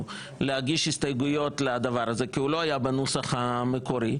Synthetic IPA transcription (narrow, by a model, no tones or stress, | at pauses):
lehaɡiʃhist̪ajɡujo̞tlad̪avaɾaze̞kiuloajabanosaχameko̞ɾi